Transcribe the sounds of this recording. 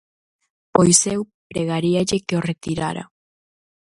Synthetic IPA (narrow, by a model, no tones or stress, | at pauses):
pojsɛw | pɾeɣaɾiaʎekeoret̪iɾa̰ɾa̰